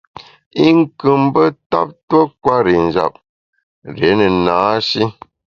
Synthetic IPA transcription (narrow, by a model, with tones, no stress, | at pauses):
i˦ŋ˦kɨ˨mbə˦ta̰˦p̚two˦kwa˦ɾi˨n̩˨d͡ʒa̰˨p̚ | ɾe˨˦nə˨naː˨˦ʃi˦